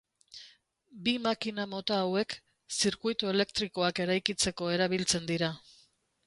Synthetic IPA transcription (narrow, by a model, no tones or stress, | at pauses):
bimakinamo̞t̪aːwe̞k | siɾkujt̪ue̞le̞kt̪ɾiko̞ake̞ɾajkit͡se̞ko̞e̞ɾaβilt͡se̞nd̪iɾa